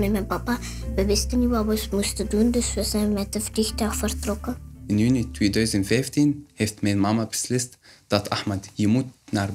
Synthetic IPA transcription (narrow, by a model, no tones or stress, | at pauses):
mɛmɛnpapabəʋɪstənjiwawɔsmustədundəsəsɛmɛtəfdixtaxfərtrɔkəɪnjynitweːdœɥzəntfɛjftinheftmɛjnmamabəslɪstd̥ɑtʰaxmatjəmut̚naːr